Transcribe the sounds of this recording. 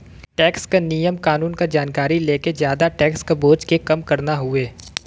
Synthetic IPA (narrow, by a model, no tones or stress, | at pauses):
ʈɛːkskenijəmkaːnuːnkad͡ʒaːnkaːɾileːkezjaːd̪aʈɛːkskaboːd͡ʒkekɐmkɐɾnaɦʊeː